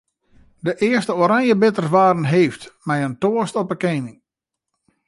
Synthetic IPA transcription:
dəʔɪəstəoːɾaŋjəbɪtərsʋaːɾən̩ɦejftmɛjəntoəstɔpəkejnɪŋ

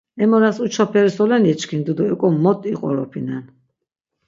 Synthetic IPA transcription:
ɛmɔɾasut͡ʃʰɔpʰɛɾisɔlɛnɛt͡ʃkʰind̪ud̪uɛkʼɔmːɔt̪ʼiqʼɔ̰ɾɔ̰pʰinɛn

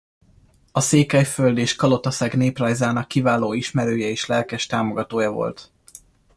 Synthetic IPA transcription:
ɒseːkɛjføld̪eːʃkɒlo̞t̪ɒsɛɡneːprɒjzaːnɒkːivaːloːiʃmɛɾøːjɛeːʃlɛlkɛʃt̪aːmo̞ɡɒt̪oːjɒvo̞̰lt̪

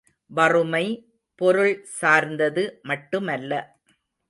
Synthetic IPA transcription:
ʋɐrɯmɐɪ | pɔɾɯɭsaːɾnd̪ɐðɯmɐʈːɯmɐlːɐ

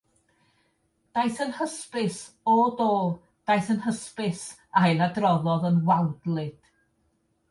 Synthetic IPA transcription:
d̥ajθənhəspɪs | odoːlˠ | d̥ajθənhəspɪs | ajlˠadrɔðɔðənwawdlˠɨd̥

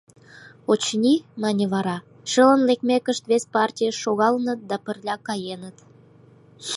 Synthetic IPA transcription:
ot͡ɕnʲinɑnʲiβɑɾɑ | ʃələnlekmekəʃt̪βespɑrtʲijəʃːoɣɑlənət̪̚d̪ɑpə̆rlʲɑkɑjenət̪

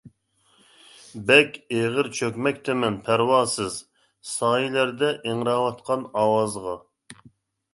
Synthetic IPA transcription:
bɛkʲeʁəɾt͡ʃʰøkʲmɛkʲt̪ʰɛmɛnpʰæɾwɑːsɨz | sɑːjilæɾd̪ɛʔeŋɾɑːwɑt̪qʰɑnɑːwɑzʁɑ

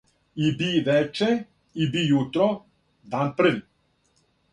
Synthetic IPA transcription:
ibiʋɛt͡ʃɛ | ibijut̪ɾɔ | d̪anpr̩ʋi

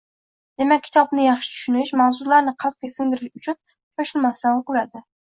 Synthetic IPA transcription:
d̪̥e̞makʲʰːɪ̥t̪ʰɒbnɪjɑχʃɪ̥t͡ʃ̪ʰʊ̥ʃʊnɪʃmawzʊlaɾnɪqʰɑl̚ˠkʰesɪŋd̪ɪɾɪʃʊt͡ʃʰʊn | t͡ʃʰoʃɪlˠmasaŋʊqʊɾad̪ɪ

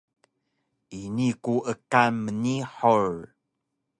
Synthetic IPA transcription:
ʔinikuʔəkanməniħoɹ

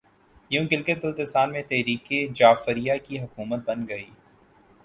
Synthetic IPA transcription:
jũɡɪlket̪̚bɪlt̪ɪsaːnmẽt̪ɛɦɾiːked͡ʒaːfəɾijakiɦʊkuːmət̪̚bɐnɡɐiː

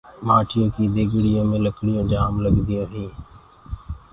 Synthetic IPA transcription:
maːʈʰɪjõːkiːd̪eːɡɽɪjõːmẽːləkʰɽɪjõːd͡ʒaːmləɡd̪ɪjõːɦĩː

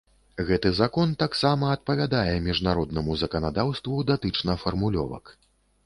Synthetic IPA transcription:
ɣɛt̪ɨzakɔnt̪aksamɐɐt̪̚pɐvʲad̪ajɛmʲiʐnaɾɔd̪̚nɐmuzɐkɐnad̪awst̪vud̪at̪ɨt͡ʂnɐfɐrmulʲɔ̰vɐ̰k

